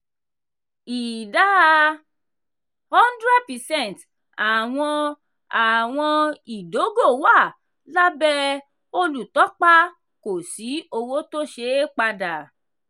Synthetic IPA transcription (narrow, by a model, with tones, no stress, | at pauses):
i˨da˦ | hɔ̃˦ndɾɛ˦d̚pɛ˨sɛ̃˦˨nt | a˨w̃ɔ̃˧ | a˨w̃ɔ̃˧i˨do˨˦ɡo˦˨wa˦˨ | la˦bɛ˦ | o˧lu˨tɔ˨˦k͡pa˦ | ko˨si˨˦o˧wo˦to˦ʃe˧˦k͡pa˧da˨